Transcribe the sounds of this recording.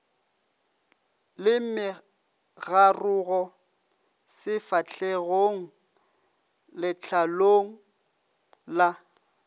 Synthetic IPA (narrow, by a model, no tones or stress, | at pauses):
lɪm̩mɪ | ɣarʊɣɔ | sɪfat͡ɬʰeɣoŋ̩ | lɪt͡ɬʰaloŋ̩ | la